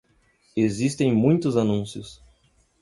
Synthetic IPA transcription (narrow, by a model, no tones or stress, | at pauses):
ezist̪ẽj̃mũj̃t̪ʊzanũsiʊs